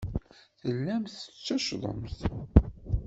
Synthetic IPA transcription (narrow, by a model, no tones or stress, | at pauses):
θəlːæmθət͡sːæʃðˤə̰mθ